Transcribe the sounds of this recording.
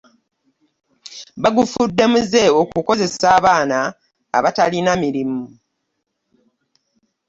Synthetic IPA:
baɡufudːe̞muze̞o̞kuko̞ze̞saːβaːna̰ː | βatalinamiɾimu

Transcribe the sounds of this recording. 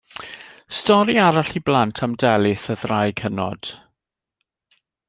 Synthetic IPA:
stɔɾiaɾaɬiblantʰamdɛlɪθəðrajkʰənɔ̰d̥

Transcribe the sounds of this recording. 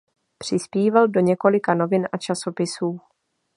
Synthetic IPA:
pr̥ɪspiːvaldo̞ɲɛko̞lɪkano̞vɪnʔat͡ʃaso̞pɪsuː

